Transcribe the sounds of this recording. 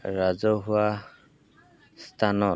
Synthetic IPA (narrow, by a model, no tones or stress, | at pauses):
ɹazɔɦua | stʰanɔ